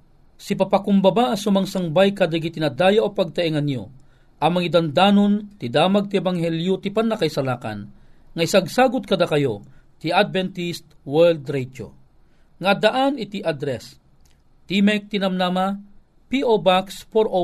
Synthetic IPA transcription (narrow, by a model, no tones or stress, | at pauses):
sipapakʊmbɐbaʔɐsʊmaŋsaŋbajkad̪aɡit̪inad̪aːjaʔopaɡ̚t̪aʔɛŋanjo̰ | ʔɐmɐŋid̪ɐnd̪aːnont̪id̪aːmaɡ̚t̪iʔɛbaŋhɛljot̪ipanakaisalaːka̰nŋɐisaɡsaːɡʊt̪̚kɐd̪akɐjot̪iad̪̚vɛnt̪ist̪wɛld̪ɾɛd͡ʒo̰ | ŋad̪aʔanɪt̪iʔad̪ɾɛs | t̪imɛk̚t̪inamnama | piʔobakspoɾo